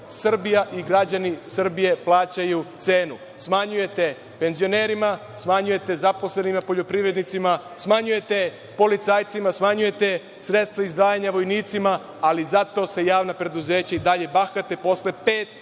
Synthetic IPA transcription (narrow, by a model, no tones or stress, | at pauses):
sr̩bijaʔiɡɾad͡ʑanisr̩bije̞plˠaːt͡ɕajut̪se̞ːnu | smaɲuje̞t̪e̞ | pe̞nzio̞ne̞ːɾima | smaɲuje̞t̪e̞zapo̞sle̞nimapo̞ʎo̞pɾiːʋɾe̞d̪nit̪sima | smaɲuje̞t̪e̞ | po̞lit̪saːjt̪simasmaɲuje̞t̪e̞ | sɾe̞t̪st̪ʋaizd̪ʋaːjaɲaʋo̞jniːt̪simaː | lizat̪o̞se̞jaːʋnapɾe̞d̪uze̞ːt͡ɕaid̪aʎe̞baxat̪e̞po̞sle̞pe̞ːt̪